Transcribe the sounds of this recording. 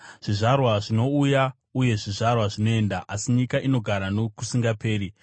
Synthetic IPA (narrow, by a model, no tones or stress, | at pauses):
ʐ̥iʐarwaʐino̞uja | uje̞ʐiʐarwaʐino̞e̞ndaʔasiɲikaʔino̞ɡʱaɾanokusiŋɡape̞ːɾi